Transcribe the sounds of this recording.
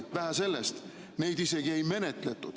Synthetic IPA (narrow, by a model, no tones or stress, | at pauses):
væɦæse̞lːest̪ | ne̞jd̪ise̞ɡie̞jme̞ne̞t̪le̞t̪ːˑud̪̥